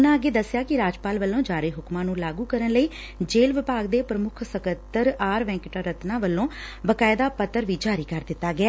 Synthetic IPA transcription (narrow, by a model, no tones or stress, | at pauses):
ʊnãːəɡeːd̪əsːjaːkɪɾaːd͡ʒpaːlʋəlːõːd͡ʒaːɾeːɦʊkmãːnũːlaːɡũːkəɾənləiː | d͡ʒeːlʋɪpaːɡd̪eːpɾəmʊkʰsəkət̪ːəɾaːɾʋɛ̃ːŋkɪʈaːɾət̪nãːʋəlːõːbəkaːɪd̪aːpət̪ːəɾʋiːd͡ʒaːɾiːkəɾd̪ɪt̪ːaːɡɪaː